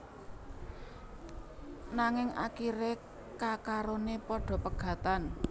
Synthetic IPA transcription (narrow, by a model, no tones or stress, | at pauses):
naŋɪŋakiɾe | kakaɾonepɔɖ̥ɔ̤pəɡ̥a̤t̪an